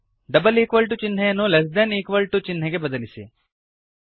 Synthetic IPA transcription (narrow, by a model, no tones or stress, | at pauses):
ɖ̪ɐbɐliːkʋɐlʈut͡ʃinɦɐjɐnːules̬d̪ɐniːkʋɐlʈut͡ʃinːɐɡe̞bɐd̪ɐlisḭ